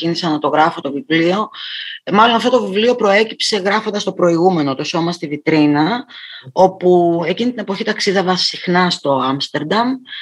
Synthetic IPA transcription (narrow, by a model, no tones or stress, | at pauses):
inisɐnɐt̪o̞ɣɾɐfot̪o̞vivlio̞mɐlo̞nɐft̪o̞t̪ovivlio̞pɾo̞e̞cipse̞ɣɾɐfond̪ɐst̪o̞pɾo̞iɣume̞no̞t̪oso̞mɐst̪ivit̪ɾinɐ | o̞pue̞cinit̪ine̞po̞çit̪ɐksiðɐvɐsixnɐst̪o̞ɐmst̪e̞ɾd̪ɐm